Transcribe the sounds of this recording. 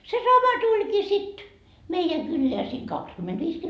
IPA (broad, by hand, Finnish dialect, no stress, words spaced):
se sɑmɑ tulʲkiː sit meijæ kylːeæ siː kɑkskymːend̥ʋiːs